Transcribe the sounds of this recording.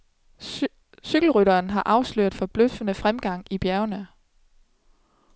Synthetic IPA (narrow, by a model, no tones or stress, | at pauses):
syɡ̥l̩ʁyɾɐːnɦɑ̈ʔɑ̈ʊslø̰ɐ̰d̥ˠfɒ̽b̥løfənəfʁamɡ̥ɑ̈ŋ̰ib̥jæɐʊnə